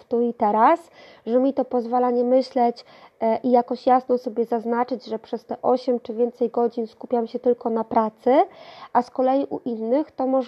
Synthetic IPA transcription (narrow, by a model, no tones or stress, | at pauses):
t̪uit̪ɛɾas | ʐɛmʲit̪ɔpɔzvalaɲɛmɘɕlɛt͡ɕ | ʔijakɔɕjasnɔsɔbʲjɛzaznat͡ʂɘd͡ʑʐɛpʂɛst̪ɛʔɔɕɛmt͡ʂɘvʲjɛnt̪sɛjɡɔd͡ʑinskupʲjamɕɛt̪ɘlkɔnapɾat̪sɘʔaskɔlɛjiʔṵʔinːɘxt̪ɔmɔʐ